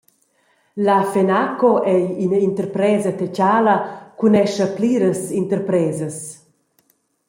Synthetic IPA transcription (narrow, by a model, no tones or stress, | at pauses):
lafenakoʔɛjinint̪əɾpɾɛːzɐt̪ɛt͡ɕaːlɐkunɛʃɐpliːɾəsint̪əɾpɾɛːzəs